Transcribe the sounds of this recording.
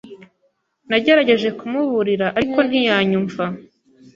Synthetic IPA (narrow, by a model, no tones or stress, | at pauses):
naɟe̞ɾaɟe̞ʒe̞kumuβuɾiɾaʔaɾiko̞n̥hijaːɲuɱva